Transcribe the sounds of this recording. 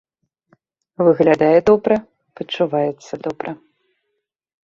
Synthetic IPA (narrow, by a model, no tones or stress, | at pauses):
vɨɣlʲad̪ajɛd̪ɔbɾɐ | pɐt͡ʂːuvajɛt̪sːɐd̪ɔbɾɐ